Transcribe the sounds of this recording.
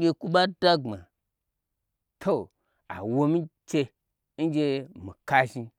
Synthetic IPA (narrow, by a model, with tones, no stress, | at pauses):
ɡʲe˧ku˦ɓa˦da˦ɡ͡bma̰˨ | tʰo˦˨ | a̰˨wo˧mi˦t͡ʃe˧ | n̩˦d͡ʒʲe˧mi˨ka˦ʒi˧